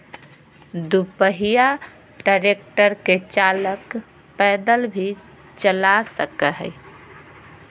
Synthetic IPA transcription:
d̪upəɦija | ɖəɾek̚ʈəɾket͡ʃalək | pɛd̪əlbʱi | t͡ʃəlasəkəɦə̰j

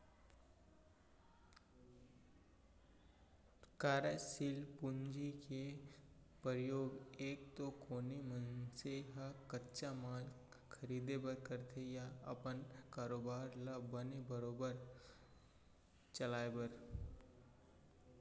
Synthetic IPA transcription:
kaːɾəsilpʊnd͡ʒike | pəɾjoːɡeːk̚t̪okoːnimənseɦakətːʃamaːl | kʰəɾiːd̪ebəkəɾt̪ʰejaə̰pənkaːɾoːbaːɾləbənebəɾoːbəɾ | t͡ʃəlaːebəɾ

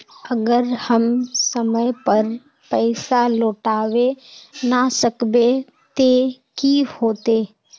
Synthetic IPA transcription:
əɡəɾhəmsəməjpəɾ | pɛːsaloːʈaːʋenasəkbe | t̪ekihoːt̪eː

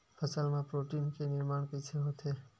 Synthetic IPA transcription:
fəsəlmãpɾoʈinkenɪɾmaɳkit͡ʃʰeɦõt̪ʰe

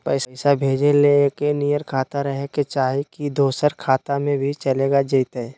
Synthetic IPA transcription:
pəɪsɪsabʱeːd͡ʒeleekenijəɾkʰaːt̪aɾəɦeket͡ʃaːɦikid̪oːsəɾkʰaːt̪amẽbʱit͡ʃəleːɡad͡ʒəɪt̪ɦɛɛ

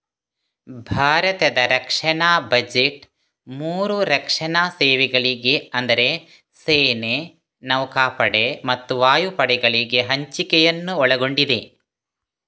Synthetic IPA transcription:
bʱaːɾɐt̪ɐd̪ɐɾɐkʂɐɳaːbɐd͡ʒeʈ | muːɾuɾɐkʂɐɳaːseːʋɛɡɐɭiɡe̞ɐnd̪ɐɾe̞ | seːne | nɐwkaːpɐɽemɐt̪ːuʋaːjupɐɽɛɡɐɭiɡe̞ɦɐɲt͡ʃikɛjɐnːuɔɭɐɡo̞ɳɖid̪e̞

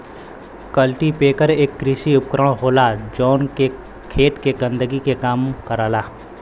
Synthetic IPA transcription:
kəlʈipeːkəɾeːkːɾɪsiʊp̚kɾəɽ̃ɦoːlad͡ʒɔːnke | kʰeːt̪keɡə̃nd̪əɡikekaːmkəɾaːlaː

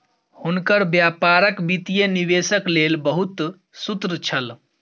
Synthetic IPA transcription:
hunkəɾbjapaɾəkbit̪ijənibesəklelbəɦut̪ | sut̪ɾt͡ʃʰəl

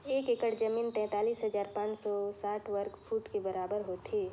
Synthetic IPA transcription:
eːkekəʈd͡ʒəmiːnt̪ɛ̃ːt̪aːliːsɦəzaːɾpãːt͡ʃsɔsaːʈʰwəɾkfʰuːʈkebəɾaːbəɾɦoːt̪eː

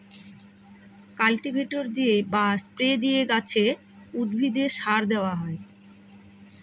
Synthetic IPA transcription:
kalʈibʱeʈoɾd̪iebaspɾed̪ijeɡat͡ɕʰe | ud̪̚bʱid̪eʃaɾd̪eoaɦɔe

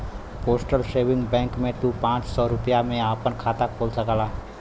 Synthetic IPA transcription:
poːsʈəlʃeːʋɪ̃ŋɡbɛ̃ːŋkmẽt̪ũpãːt͡ʃsɔːɾʊpjamẽaːpənkʰaːt̪akʰoːlsɐkalaː

